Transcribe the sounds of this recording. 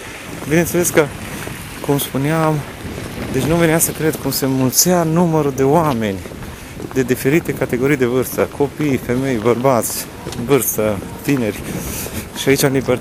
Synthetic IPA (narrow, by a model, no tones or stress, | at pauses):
bine̞nt̪seleskə | kumspuneam | d̪et͡ʃʲnuveneasəkɾe̞d̪kumse̞mult̪sanuməɾud̪e̞oame̞nʲ | d̪e̞d̪ife̞ɾit̪e̞kat̪e̞ɡo̞ɾijd̪evɨrst̪əkʰo̞pijfe̞me̞jbərbat̪sʲ | vɨrst̪ət̪ine̞rʲ | ʃiait͡ʃʲamliber